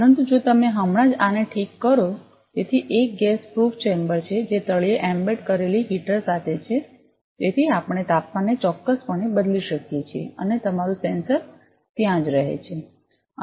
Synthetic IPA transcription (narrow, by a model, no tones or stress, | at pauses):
pəɾənt̪ud͡ʒot̪əmeɦəmɽãd͡ʒaneʈʰikːəɾo | t̪et̪ʰiʔek̚ɡɛspɾuft͡ʃembəɾt͡ʃʰed͡ʒet̪əɭieʔɛmbeʈkəɾeliɦiʈəɾsat̪ʰet͡ʃʰe | t̪et̪ʰiapəɳ̃et̪apmanːet͡ʃɔkːəspəɳebəd̪liʃəkjet͡ʃʰiḛənet̪əmaɾũsensəɾ | t̪jãd͡ʒɾəɦḛt͡ʃʰe